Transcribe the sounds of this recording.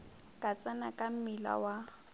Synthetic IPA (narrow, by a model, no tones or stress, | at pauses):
kʼat͡sʼanakʼam̩mɪla̰wa